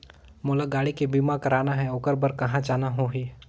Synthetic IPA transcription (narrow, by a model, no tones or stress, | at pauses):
moːlaɡaːɽikebiːmakɐɾaːnaɦɛ̃oːkəɾbəɾkɐɦãt͡ʃaːnaɦoɦiː